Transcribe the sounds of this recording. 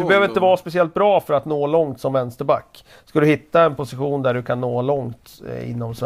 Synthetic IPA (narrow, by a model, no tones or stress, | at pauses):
ɵbɛhøːvɾɪnt̪əvɑːspɛsɪɛlt̪̚bɾɑːfœɾat̪noːlɔŋt̪sɔmvɛnst̪əɾba̰kː | skad̪ɵhɪt̪ːaɛnpʊsɪɧuːnd̪æɖɵkʰanːoːlɔŋt̪ɪ̰nːɔms